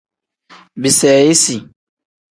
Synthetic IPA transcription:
bi˨sɛː˨e˦si˨

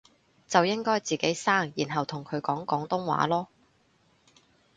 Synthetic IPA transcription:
t͡sɐ˨wjɪ˥ŋkɔː˥jt͡siː˨ke˨˥jsaː˥˩ŋjiː˨˩nɦɐ˨wt̪ʰʊ˨˩ŋkʰɵ˨˧ɥkɔː˨˥ŋkɔː˨˥ŋt̪ʊ˥ŋwa̰ː˨˥lɔː˥

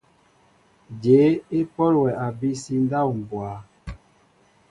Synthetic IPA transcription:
d͡ʒe˨˦e˦pɔ˦lwɛ˨a˨bi˦si˦n˦da˦˨u˨m˨bwa˨˦

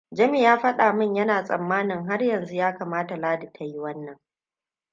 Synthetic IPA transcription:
d͡ʒɐ˦mi˨jaː˦ɸɐ˦ɗaː˨mɪ˦ɲjɐ˦naː˨sʼɐ̰˨mːaː˦nɪ˨ŋɦa˦rjɐ˨nzu˦jaː˦kaː˨maː˦ta˨laː˦da˨tʰa˨ji˦wɐ˦nːɐ˨ŋ

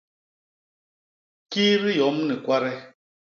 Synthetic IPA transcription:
kiː˦ɾi˦jɔ˨˦m̩˦ni˨kʷa˦ɾɛ˦

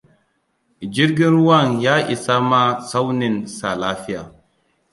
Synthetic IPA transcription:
d͡ʒi˦ɾɡʲɪ˦nɾu˦wa˦˨ŋjaː˦ʔi˨sa˦ma˦sa˦wni˨nsa˨laː˦fi˦ja̰˨

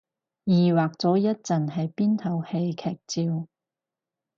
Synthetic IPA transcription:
jiː˨waː˨k̚t͡sɔː˨˥jɐ˥t̚t͡sɐ˨nhɐ˨jpiː˥nt̪ʰɐ˨˩whe˧jkʰɛː˨˩k̚t͡siː˧w

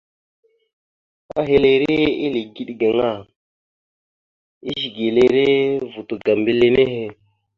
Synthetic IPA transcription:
a̰˦ɦe˦le˨ɾe˦i˦le˨ɡi˦ɗɡa˨ŋa˦˨ | i˦ʒi˨ɡe˨le˨ɾe˦vu˨tu˨ɡa˨mbi˦le˦ne˦ɦe˦

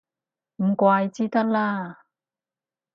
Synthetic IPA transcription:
m̩˨˩˦kwaː˧jt͡ɕiː˧˥t̪a˥t̚laː˧˩

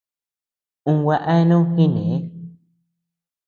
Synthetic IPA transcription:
ũ˧wa˧ʔa˦nõ˦xi˦nẽ˨e˦

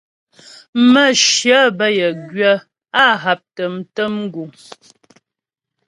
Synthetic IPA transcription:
mə˦˨ʃjə˦bə˦˨jə˨ɡɥə˦ | a˦ɦa˨p̚tə˨m̩˨tə˦m̩˦ɡu˨

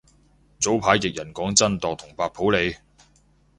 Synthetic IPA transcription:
t͡so˨˥wpʰaː˨˥jːɪ˨k̚jɐ˨˩nkɔː˨˥ŋt͡sɐ˥nt̪ɔː˨k̚t̪ʰʊ˨˩ŋpaː˧pʰo˨˥wle˨˧j

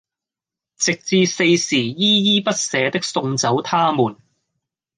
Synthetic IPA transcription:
t͡sɪ˨k̚t͡siː˧se˧jsiː˨˩jiː˥jiː˥pɐ˥t̚sɛː˨˧t̪ɪ˥k̚sʊ˧ŋt͡sɐ˨˥wt̪ʰaː˥muː˨˩n

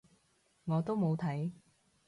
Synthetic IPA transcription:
ŋɔː˨˧t̪o˥wmo˨˧wt̪ʰɐ˨˥j

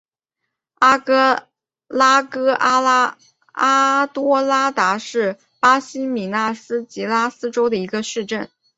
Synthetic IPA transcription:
a˥kɤ˥ | la˥kɤ˥ʔa˥ | a˥t̪wɔ˥la˥t̪a˧˥ʂɻ̩˥˩ | pa˥ɕi˥mi˨˩na˥˩sɹ̩˥t͡ɕi˧˥la˥sɹ̩˥ʈ͡ʂo˥ʊd̪ə˨˩i˧˥ɡə˧ʂɻ̩˥˧ʈ͡ʂə˥˩n

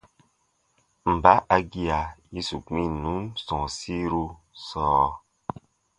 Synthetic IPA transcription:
m̩˨ba˨˦ʔa˧ɡi˦a˨ji˦su˨k͡pĩ˦nũ˨˦nsɔ̃˨si˦ɾu˧ | sɔː˦˨

